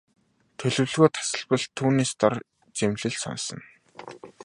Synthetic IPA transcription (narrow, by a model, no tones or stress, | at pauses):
t̪ʰɵɮɵ̆wɮɣoːt̪ʰḁsə̆ɮpə̆ɮt̪ʰuːneːst̪ɔr | t͡semɮɘ̆ɮsɔ̰nsə̰̆n